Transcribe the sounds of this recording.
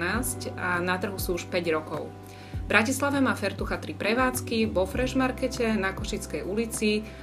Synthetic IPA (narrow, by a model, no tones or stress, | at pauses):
naːscanat̪r̩ɦusuːuʃpɛɟɾɔkɔʊ | bɾʔacislaʋɛmaːfɛɾt̪uxat̪ɾipɾɛʋaːt͡skiʋɔfɾɛʒmaɾkɛcɛnakɔʃit͡skɛjulit͡si